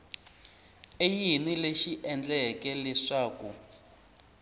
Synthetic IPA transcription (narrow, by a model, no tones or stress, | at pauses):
ejinileʃiʔɛnd͡ɮɛkɛlɛʂaːku